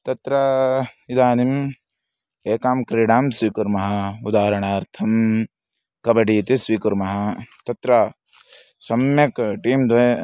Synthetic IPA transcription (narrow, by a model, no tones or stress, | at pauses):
t̪ɐt̪ɾɐid̪aːnim | eːkaːmkɾiːɽaːmsʋiːkuɾmɐɦɐud̪aːɾɐɳaːɾt̪ʰɐm | kɐbɐɖiːt̪isʋiːkuɾmɐɦɐt̪ɐt̪ɾɐ | sɐmjɐkʈiːmd̪e